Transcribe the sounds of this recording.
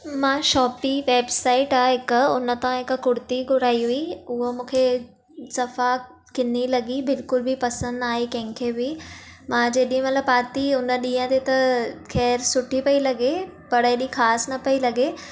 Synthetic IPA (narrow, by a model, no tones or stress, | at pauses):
mãːʃɔːpiʋeːbsaːɪʈaːɦɪkʊnət̪ãɦɪkkʊɽt̪iɡʊɾaːiɦuiʊɦomũːkʰe | sɐfa | kɪnilɐɡibɪlkʊlbʱipɐsə̃nd̪aːekɐ̃ɦɪ̃ŋkʰebʱimãːd͡ʑeːɗĩmɐt̪ləbaːt̪iʊnəɗĩːjə̃t̪et̪ɐkʰɛːɾsʊʈʰipɐilɐɡe | pɐɽeːɗĩkʰaːsnɐpɐilɐɡeː